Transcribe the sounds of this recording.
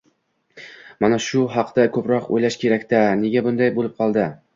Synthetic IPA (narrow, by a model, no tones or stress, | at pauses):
manaʃʊɦɑqd̪akʰɵpɾɒqo̰jlaʃkʲe̞ɾakʲt̪ane̞ɡʲabʊnd̪ajbolˠɪp̚qʰɒlˠd̪ɪ